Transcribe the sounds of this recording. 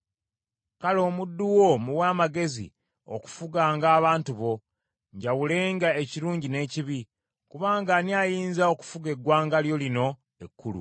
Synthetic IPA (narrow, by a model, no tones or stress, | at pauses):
kalo̞ːmudːuwo̞muwaːmaɡe̞zḭ | o̞̰ku̥fuɡaːŋɡaːβaːntuβo̞ | ɲɟawule̞ːŋɡaeciɾuːɲɟine̞ːciβi | kuβaːŋɡaniaːjiːnzao̞ku̥fuɡe̞ɡwaːŋɡaljo̞lino̞ | ekːulṵ